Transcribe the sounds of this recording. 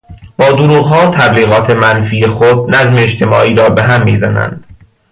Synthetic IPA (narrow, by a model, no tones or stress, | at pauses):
b̥ɒːd̪oɾuːɣɦɒːt̪ʰæbliːɣɒːt̪ʰemænfiːexod̪næzmeːt͡ʃt̪ʰe̞mɒːʔiːɾɒːbeɦæmːiːzænæ̰nd̪̥